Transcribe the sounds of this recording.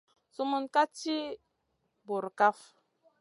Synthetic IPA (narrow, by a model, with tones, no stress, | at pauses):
su˦mu˦nka˦t͡ʃi˦ | bu˨ɾka˦f